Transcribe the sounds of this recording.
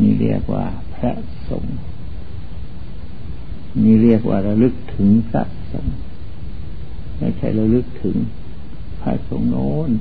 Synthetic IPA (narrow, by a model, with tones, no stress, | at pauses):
nḭː˧˩˨li˧˩ək̚wa̰ː˧˩ | pʰɾa˧˥ʔ | so̰˨˩˦ŋ | niː˧˩˨ɾi˧˩ək̚waː˧˩ɾa˧wlɯ˧˥k̚t̪ʰɯ˨˦ŋpʰa̰˧ʔso̰˨˩˦ŋ | ma̰˧˩jkʰa˧˩jɾa˧wlɯ˧˥k̚t̪ʰɯ˨˩˦ŋ | pʰa̰˧˥ʔso˨˦ŋnoː˦˥n